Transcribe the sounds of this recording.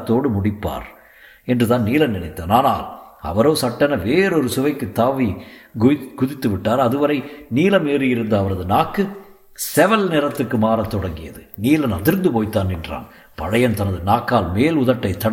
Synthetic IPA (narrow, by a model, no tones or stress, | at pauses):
t̪ːoːɽɯmʊɽɪpːa̰ːɾ | ɛndrɯðaːnniːlɐnɪnɐɪt̪ːɐːnaːnaːlɐ̰ʋɐɾoːsɐʈːɐnɐʋeːɾɔɾɯsʊʋɐɪkːɯt̪ːaːʋiɡɡʊðɪt̪ːɯʋɪʈːaːɾɐðɯʋɐɾɐɪniːlɐmeːɾɯjɪɾɯnd̪ɐːʋɐɾɐðɯnaːkːɯ | sɛʋɐlnɛɾɐt̪ːɯrkːɯmaːɾɐt̪ːɔɽɐŋɡɪjɐðɯniːlɐnɐðɪɾɯnd̪ɯpoːjt̪ːaːnɪndra̰ːn | pɐɻɐjɐnt̪ɐnɐðɯnaːkːaːlmeːlʊðɐʈːɐɪt̪ːɐɽ